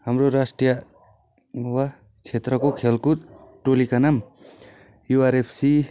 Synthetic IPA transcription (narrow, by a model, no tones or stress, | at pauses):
hamɾoɾasʈijʌ | wa | t͡ʃʰet̪ɾʌkokʰelkut̪ʈolikanam | juaɾepʰsi